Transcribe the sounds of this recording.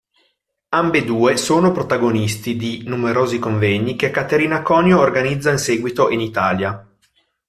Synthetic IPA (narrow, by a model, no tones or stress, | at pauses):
ambed̪uːesoːnopɾot̪aɡonist̪id̪inumeɾoːzikoɱvɛɲːikekːat̪eɾinakɔːnjoːrɡanid̪zːainseːɡwit̪oʔinit̪aːlja